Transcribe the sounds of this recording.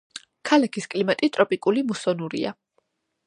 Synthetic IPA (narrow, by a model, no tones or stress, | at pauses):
kʰalakʰiskʼlimat̪ʼit̪ʼɾɔpʼikʼulimusɔnuɾḭa̰